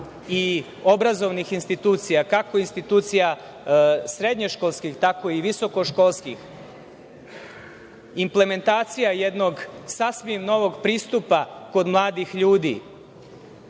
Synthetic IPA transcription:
i | o̞bɾazo̞ʋnixinst̪it̪uːt̪sijakako̞inst̪it̪uːt̪sija | sɾe̞d̪ɲeʃkolˠskixt̪ako̞iʋiso̞ko̞ʃkolˠskix | imple̞me̞nt̪aːt̪sijaje̞d̪no̞ɡsasmimno̞ʋo̞ɡpɾiːst̪upako̞d̪mlˠaːd̪ixʎuːd̪ḭ

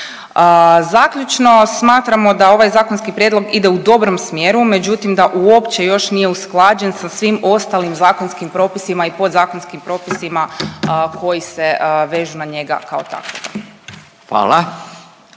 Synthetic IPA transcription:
əzakʎut͡ʃno̞smaːt̪ɾamo̞d̪ao̞ʋajzaːkonskipɾjed̪lo̞ɡid̪e̞ud̪o̞bɾo̞msmje̞ɾume̞d͡ʑut̪imd̪aʔuo̞pt͡ɕe̞jo̞ʃnijeusklˠaːd͡ʑe̞nsasʋimo̞st̪alimzaːko̞nskimpɾo̞ːpisimaipo̞d̪zaːko̞nskimpɾo̞ːpisimakʰo̞jiseʋe̞ːʒunaɲe̞ɡa̰kao̞t̪a̰koɡa̰ | xʋa̰ːla

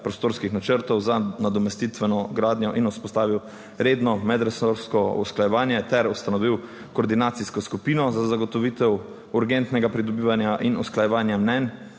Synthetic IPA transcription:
pɾɔst̪oːɾskixnat͡ʃəɾt̪ɔwzanad̪ɔmɛst̪it̪ʋɛnɔɡɾaːd̪njɔʔinuspɔst̪aːʋiw | ɾeːd̪nɔmɛd̪ɾasoɾskɔṵsklajɛʋaːnjɛt̪ɛɾust̪anɔʋiw | kɔːɾd̪inaːt̪siskɔskupiːnɔzazaɡɔt̪ɔʋiːt̪ɛw | uɾɡɛnt̪nɛɡapɾid̪ɔbiːʋanjaʔinusklajɛʋaːnjamnɛn

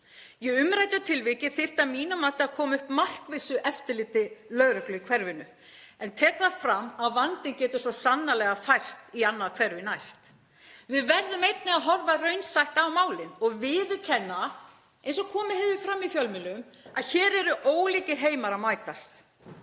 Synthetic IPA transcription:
jɛɣʏmɾajt̪jat̪ʰɪlvicɪθɪr̥t̪amiːnamat̪ɪaðkʰɔːmaʏhpmal̥kvɪsʏʔɛft̪ʏlɪːt̪ɪlœɣɾœklʏikʰvɛɾvɪnʏ | ɛnt̪ʰɛːkθafɾamːaðvant̪ɪncɛːt̪ʏ̥sɔsanːalɛɣafajr̥st̪ianːaðkʰv̥ɛɾʏinajst̪ | vɪðvɛɾðʏmejt̪̚nɪɣaðɦɔɾvarœɥnsajht̪awmaːwlɪnɔɣvɪðʏcʰɛnːa | ejnsɔɣkʰɔːmɪhɛːvɪfɾamːifjœlmɪlʏm | aðçɛːɾɛɾʏʔoːwliːcɪɾ̥ɦeːjmaɾamaːjt̪ast̪

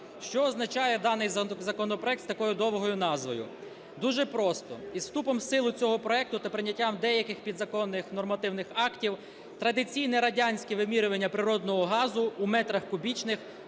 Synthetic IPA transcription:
ʃt͡ʃɔːznɐt͡ʃɑjɛd̪ɑnɪjzɐkɔnɔpɾɔɛkt̪st̪ɐkɔjʊd̪ɔwɦɔjʊnɑzʋɔjʊ̰ | d̪uʒɛpɾɔst̪ɔizst̪upɔmsɪlˠʊt͡sʲɔɦɔpɾɔɛk̚t̪ʊt̪ɐpɾɪnʲːɐtʲːamd̪ɛjɐkɪxpʲid̪zɐkɔnːɪxnɔrmɐt̪ɪwnɪxɑktʲiw | t̪ɾɐd̪ɪt͡sʲijnɛɾɐdʲanʲsʲkʲiʋɪmʲiɾʊʋɐnʲːɐpɾɪɾɔd̪nɔɦɔɦɑzʊːmɛt̪ɾɐxkʊbʲit͡ʃnɪx

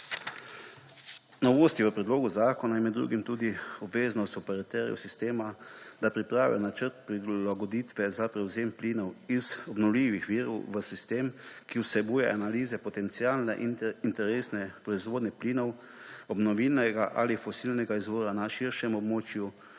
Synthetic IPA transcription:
nɔʋoːst̪iʋəpɾɛd̪loːɡuzaːkɔnajɛnmɛd̪ːɾṵɡimt̪uːd̪iɔbʋeːznɔst̪ɔpɛɾat̪ɛɾijṵsist̪eːmad̪apɾipɾaːʋḭnat͡ʃəɾt̪̚pɾilaɡɔd̪iːt̪ʋɛzapɾɛwzeːmpliːnɔwizɔbnɔwliʋixʋiːɾɔwʋəsist̪eːmkiwsɛbuːjɛʔanaliːzɛpɔt̪ɛnt̪siaːlnɛ̰ʔint̪ɛɾeːsnɛpɾɔizʋoːd̪nɛpliːnɔw | ɔbnɔʋiːlnɛɡaʔa̰lifɔsilnɛɡaizʋoːɾanaʃiɾʃɛmɔbmoːt͡ʃju

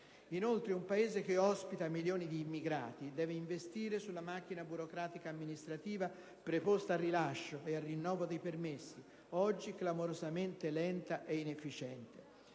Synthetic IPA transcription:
inolt̪ɾeumpaeːzek̟eɔspit̪amiljoːnid̪iːmːiɡɾa̰ːt̪id̪ɛːveiɱvest̪iːɾesulːamak̟ːinabuɾokɾaːt̪ikaːmːinist̪ɾat̪iːva | pɾepost̪aːrːilaʃːoearːinːɔːvod̪ejpermesːi | ɔd͡ʒːiklamoɾozament̪elɛnt̪aʔeinefːit͡ʃɛnt̪e

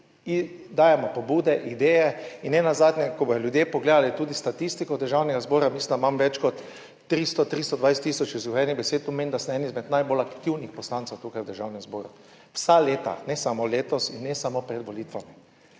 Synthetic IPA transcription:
id̪aːjɛmɔpɔbuːd̪ɛʔid̪ɛːjɛinːɛnazaːd̪nɛkɔbɔjɔljud̪jepɔɡled̪alit̪uːd̪ist̪at̪ist̪ikɔwd̪əɾʒawnɛɡazboːɾamislind̪amamʋɛt͡ʃkɔt̪ː | ɾist̪ɔt̪ɾist̪ɔd̪ʋajst̪ːisɔt͡ʃizuxɛnibɛseːt̪ɔmeːnd̪ast̪ɛɛnizmɛd̪najbolakt̪iwnixpɔslantsɛwt̪uːkajwd̪əɾʒawnɛmzboːɾu | wsaleːt̪a̰nɛsamoleːt̪ɔsinːɛsamopɾɛd̪ʋɔlit̪ʋami

